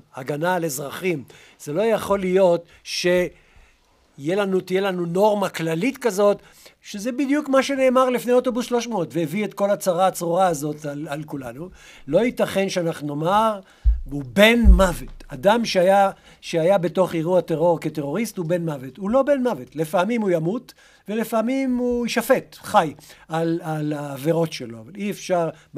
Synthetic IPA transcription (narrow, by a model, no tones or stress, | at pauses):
aɡanalezʁaχim | z̥elo̞jaχo̞lijo̞t | ʃe̞ | jelanut̪ijelanuno̞ʁmaklalit̪kazo̞t̪ | ʃezebid̪jukmaʃe̞ne̞ːmaʁlifnejot̪o̞busʃlo̞ʃmoot̪veeviet̪ko̞lat͡saʁaːt͡sʁuʁaːzo̞t̪alalkulanu | lo̞it̪aχe̞nʃeanaχnuno̞maʁ | ube̞nmavetadamʃeaja | ʃeajabeto̞χiʁuate̞ʁo̞ʁkete̞ʁo̞ʁist̪hube̞nmavethulo̞be̞nmavetlefaamimujamut̪ | velefamimuʃafe̞t̪χajalalaːveʁo̞tʃelo̞avaliefʃaʁ